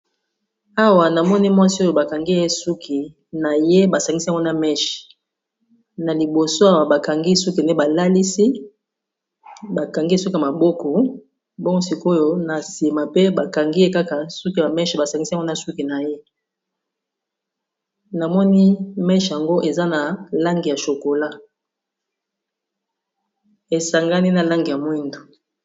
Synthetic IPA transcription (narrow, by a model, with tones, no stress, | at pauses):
a˦wa˨na˨mɔ˦ni˦mwa˦si˦o˦jo˨ba˨ka˨ŋɡi˦e˦su˦kʰi˨ | na˨je˦ba˨sa˨ŋɡi˦si˦˨ŋɡo˦na˨mɛ˦ʃ | na˨li˨bo˨so˦a˦wa˨ba˨ka˨ŋɡi˦su˦ki˨ne˦ba˨la˦li˦si˦ | ba˨ka˨ŋɡi˦su˦ki˦˨ma˨bɔ˦kɔ˨ | bɔ˦ŋɡsi˨ko˦jo˦na˨si˨ma˨pe˦ba˨ka˨ŋɡi˦e˦ka˦ka˨su˦ka˨mɛ˦ʃba˨sa˨ŋɡi˦sa˨ŋɡna˨su˦ki˨na˨je˦ | na˨mɔ˦ni˦mɛ˦ʃja˨ŋɡo˦ʔe˨za˦na˨la˦ŋɡi˨ja˨ʃo˨ko˨la˦ | e˨sa˨ŋɡa˦ni˦na˨la˦ŋɡi˨ja˨mwi˦ndo˨